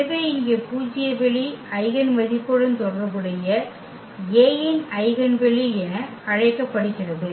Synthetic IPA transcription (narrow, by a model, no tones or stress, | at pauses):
ʋeɪŋɡepuːt͡ʃːɪjɐbɛɭiɐɪɣɐnmɐðɪpːɔɽɯnt̪ɔɽɐrɐkɯɽɐjɐ | jeːjɪnɐɪɣɐnʋɛɭiɛnɐ | ɐɻɐɪkːɐpːɐɽɯt͡ʃːɪlɐðɯ